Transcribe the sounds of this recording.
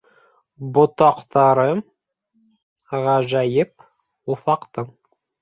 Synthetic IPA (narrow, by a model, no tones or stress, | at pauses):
bŏt̪ɑqt̪ʰɑɾɤ | ʁæʒæjɘp̚ | uθɑqt̪ɤɴ